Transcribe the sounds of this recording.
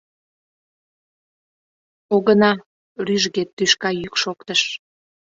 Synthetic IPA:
oɣənɑ | ɾyʒɣet̪ːyʃkɑjykʃokt̪əʃ

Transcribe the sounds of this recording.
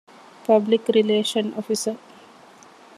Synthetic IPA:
pɐblikɾileːʃənɔ̰fisəɾ

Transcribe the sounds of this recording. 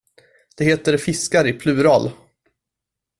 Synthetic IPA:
d̪̥ɛheːt̪əɾfɪskaɾɪpʰlʉ̟ːɾɑːl

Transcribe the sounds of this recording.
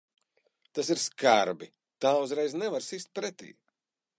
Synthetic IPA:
t̪asiɾskaɾbi | t̪aːuzɾɛjznɛvaɾsist̪̚pɾɛt̪ḭː

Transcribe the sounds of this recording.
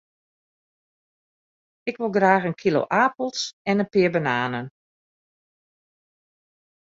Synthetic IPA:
ɪkʋɪlˠɡraːɣənkʰilo̰ːʔaːpl̩ˠsɛnənpɪəbanaːnən

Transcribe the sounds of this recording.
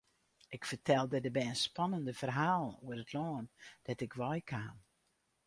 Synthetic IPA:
ʔɪkfərtʰɛlˠdətdəbɛjənspɑnəndəfərɦaːlˠṵərətʰlɔːnd̥ɛtɪkʰʋɔjkʰaːm

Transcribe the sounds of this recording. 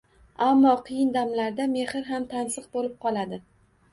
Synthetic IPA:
amːɒqʰɨjɪnd̪amlaɾd̪ame̞hɪɾɦamt̪ʰansɨq̚bolɪp̚qʰɒlˠad̪ɪ

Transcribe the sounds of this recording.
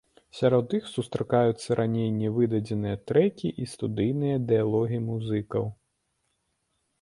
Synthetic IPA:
sʲaɾɔd̪ːɨxsust̪ɾɐkajut̪sːɐɾʔanʲejnʲɛvɨd̪ɐd͡zʲɛnɨjɐt̪ɾɛkʲiʔist̪ud̪ɨjnɨjɐd̪ɛjalˠɔɣʲiimuzɨkɐw

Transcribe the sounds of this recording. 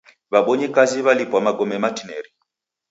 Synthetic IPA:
βaɓɔɲɛkaziβalipwamaɡɔmɛmatinɛɾi

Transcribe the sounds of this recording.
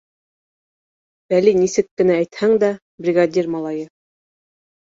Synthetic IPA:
b̥ælinisɘkːɘ̆nææjt̪hæŋd̪æ | brʲiɡad̪ʲirmɑlˠɑjɤ

